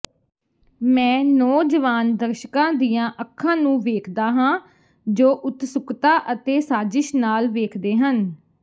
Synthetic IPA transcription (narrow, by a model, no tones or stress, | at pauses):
mɛ̃ːnɔːd͡ʒəʋaːnd̪əɾʃəkãːd̪iːjãːʔəkʰːãːnũːʋeːkʰd̪aːɦãː | d͡ʒoːʔʊt̪sʊkt̪aːʔət̪eːsaːzɪʃnaːlʋeːkʰd̪eːɦən